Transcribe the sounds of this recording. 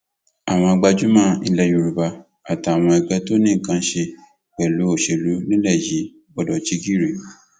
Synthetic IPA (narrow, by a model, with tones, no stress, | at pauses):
a˨w̃ɔ̃˧a˧ɡ͡ba˧d͡ʒu˨˦mã˦i˧lɛ˦ju˧ɾu˨ba˧ | a˨ta˨w̃ɔ̃˧ɛ˧ɡ͡bɛ˦to˦nĩ˦˨kã˦ʃe˧ | k͡pɛ˨lu˨˦o˦˨ʃe˨lu˨˦nĩ˦lɛ˦˨ji˨˦ | bɔ˦dɔ˨t͡ʃi˦ɡi˦˨ɾe˨